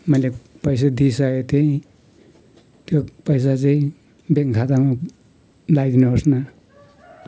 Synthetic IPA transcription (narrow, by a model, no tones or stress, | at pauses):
mʌjlepʌjs̬ad̪isajet̪eĩ | t̪jopʌjs̬at͡sʌĩ | beŋkʰat̪ama | lajd̪inuɔsna